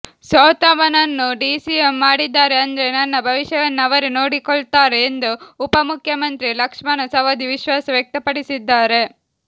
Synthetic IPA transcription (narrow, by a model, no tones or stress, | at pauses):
sɔːt̪ɐʋɐnɐnːuɖiːsiemːaːɽid̪ːaːɾe̞ɐnd̪ɐɾe̞nɐnːɐbʱɐʋiʃjɐʋɐnːɐʋɐɾeno̞ːɽikɔɭt̪aːɾeːnd̪uːpɐmukʰjɐmɐnt̪ɾilɐkʂmɐnɐsɐʋɐd̪iʋiʃʋaːsɐʋjɐk̚t̪ɐpɐɽisid̪ːaːɾe̞